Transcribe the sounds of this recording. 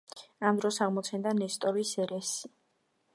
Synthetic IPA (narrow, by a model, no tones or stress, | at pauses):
amd̪ɾɔsaʁmɔt̪sʰɛnd̪anɛst̪ʼɔɾisɛɾɛsi